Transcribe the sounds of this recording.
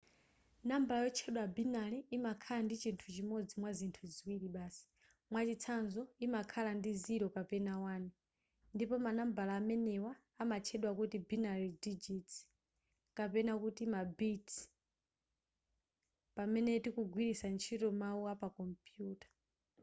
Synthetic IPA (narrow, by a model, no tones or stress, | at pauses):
nambalajɔt͡ʃʰɛɗwabinaliːmakʰalandit͡ʃintʰut͡ʃimɔd͡zimwazintʰuziwiɾiɓaːsi̥ | mwat͡ʃit͡sʰanzɔimakʰalandiziɾɔkapɛnawaːni | ndipɔmanambalaːmɛnɛwaːmat͡ʃʰɛɗwakutibinalidid͡ʒiti̥ | kapɛnakutimabitʰi̥ | pamɛnɛtikuɡʱwiɾisant͡ʃʰitɔmauapakɔmpjuːtḁ